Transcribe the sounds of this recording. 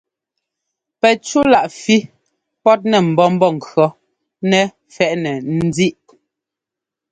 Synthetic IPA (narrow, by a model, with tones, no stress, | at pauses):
pɛ˨t͡ʃu˦la˨ʔfi˦ | pɔ˦t̚nɛ˨m̩˨bɔ˦m̩˦bɔ˦˨ŋ̩˨kɰɔ˦ | nɛ˨ | fɛ˦˨ʔnɛ˨n̩˦d͡zi˦ʔ